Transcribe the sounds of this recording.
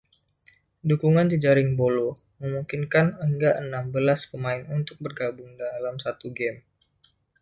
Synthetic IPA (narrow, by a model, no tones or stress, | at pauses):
dukuŋandid͡ʒaɾɪŋbolo | məmuŋkinkanəŋɡaʔənambəlaspəmaɪnunt̪ʊk̚bərɡabʊŋdalamsat̪uɡɛm